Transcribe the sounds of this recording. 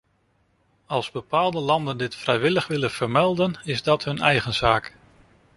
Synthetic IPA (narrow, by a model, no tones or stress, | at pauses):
ɑlˠzbəpaːlˠdəlɑndəndɪtfrɛjʋɪləχʋɪlənv̥əɹmɛlˠdənɪzdɑtɦɵnɛjχənz̥aːk